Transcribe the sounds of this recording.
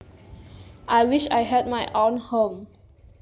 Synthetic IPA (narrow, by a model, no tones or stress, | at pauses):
ʔajwiʃa̰jɦɛd̚majʔõnhõm